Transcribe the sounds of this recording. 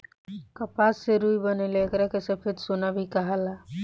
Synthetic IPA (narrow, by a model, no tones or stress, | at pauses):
kəpasːeɾujbəneleekɾakesepʰɪt̪sonabʱikəɦala